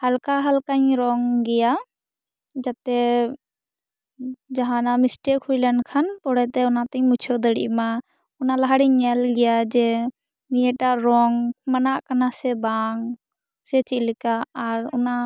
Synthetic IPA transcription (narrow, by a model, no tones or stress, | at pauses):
halkaɦalkaɲɾɔŋɡɛja | d͡ʒat̪ɛ | d͡ʒaɦãnamisʈɛkhujlɛnkʰanpɔɽɛt̪ɛɔnat̪aɲmut͡ʃʰɔd̪əɽḭʔma | ɔnalaɦaɽiɲːɛlɡɛjad͡ʒɛ | mijɛʈaʔɾɔŋmanaʔkanasɛbaŋ | sɛt͡ʃilikaːɾɔ̰na